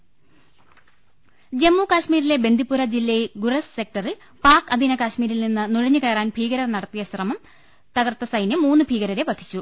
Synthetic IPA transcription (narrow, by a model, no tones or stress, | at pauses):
d͡ʑe̞mːukaːɕmiːɾile̞be̞nd̪ʱipːuɾɐd͡ʑilːɐjɡurɐsse̞k̚ʈɐril | paːkɐd̪ʱinɐkaːɕmiːɾilninːɨnuɻɐɲːɨkeːraːnpʰiːɣɐɾɐrnɐɽɐt̪ːijɐsrɐmɐm | t̪ɐɣɐrt̪ːɐsɐjnjɐmːuːnːɨbʱiːɣɐɾɐɾeʋɐd̪ʰːi̥t͡ɕːu